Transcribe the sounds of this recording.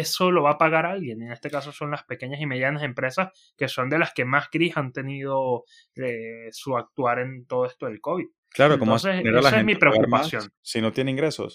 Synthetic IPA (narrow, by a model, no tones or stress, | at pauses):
e̞so̞lo̞βapaɣaɾalɣje̞neŋe̞st̪e̞kaso̞so̞nlaspe̞ke̞ɲasime̞ðjanase̞mpɾe̞sas | ke̞so̞nd̪e̞laske̞masɡɾisant̪e̞nið̞o̞ | esuak̚t̪waɾe̞nt̪o̞ðoest̪o̞ðelko̞βið | klaɾotkomoseseɾalaeemipɾeoakɾupasjo̞nːinot̪jeneiŋɡɾeso̰s